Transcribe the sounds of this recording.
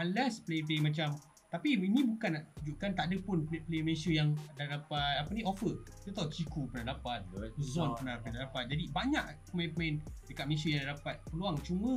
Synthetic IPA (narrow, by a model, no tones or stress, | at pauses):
anlɛsplet̪̬emãt͡ʃam | t̪apiinĩbukanːaʔt̪ud͡ʒuʔkant̪aʔadəpʊnpeplemẽsəjaŋdaɾapat̪̚apənĩʔofət̪ət̪awt͡ʃikupənadapat̪̚sɔnpənapnadadapat̪̚d͡ʒadibaɲaʔkəmɛ̃npmaindəkat̪̚mesəjaŋdadapat̪̚pəluaŋt͡ʃumə̃